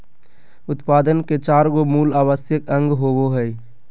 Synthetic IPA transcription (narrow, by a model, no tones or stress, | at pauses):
ʊt̪paːd̪ənket͡ʃaːɾɡomuːlaːwəsjəkə̃ŋɡɦowoɦɛɪ